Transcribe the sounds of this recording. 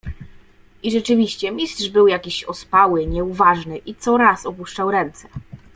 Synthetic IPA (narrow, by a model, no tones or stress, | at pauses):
ʔiʐɛt͡ʂɘvʲiɕt͡ɕɛmʲist̪ʂbɘwjakʲiɕɔspawɘɲɛuvaʐnɘʔit̪sɔɾasɔpuʂt͡ʂawɾɛnt̪sɛ̥